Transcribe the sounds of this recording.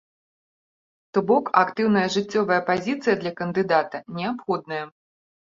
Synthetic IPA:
t̪ɔbɔkakt̪ɨwnɐjɐʐɨt͡sʲːɔvɐjɐpazʲit̪sɨjɐd̪lʲɐkɐnd̪ɨd̪at̪ɐnʲɛapxɔd̪nɐjɐ

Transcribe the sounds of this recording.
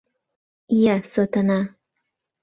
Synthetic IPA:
jasot̪ʰana

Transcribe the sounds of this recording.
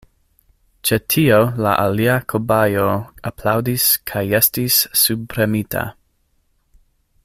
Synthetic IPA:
t͡ʃetʰiola̰ʔaliakʰobajoapʰlawdiskʰajestisːubpɾemitʰa̰

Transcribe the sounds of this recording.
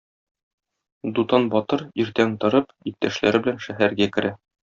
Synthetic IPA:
d̪ut̪ɑnbɒt̪ɤɾiɾt̪ænt̪ɤ̆ɾɤp | ip̚t̪ːæʃlæ̰ɾɘbɘ̆lænʃæɦæɾɡækɘ̆ɾæ

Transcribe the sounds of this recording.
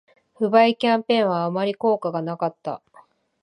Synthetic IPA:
ɸɯ̟baikʲãmpẽ̞ɰ̃βaːmaɾʲiko̞ːkaɡanakat̪ːa̰

